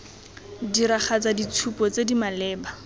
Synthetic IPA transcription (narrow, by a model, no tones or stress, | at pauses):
diɾaχat͡sadit͡sʰupɔt͡sedimalɛːba